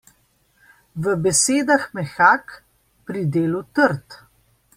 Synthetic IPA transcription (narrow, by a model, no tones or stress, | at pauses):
ʋəbɛseːd̪axmɛxaːk | pɾid̪eːlut̪əɾt̪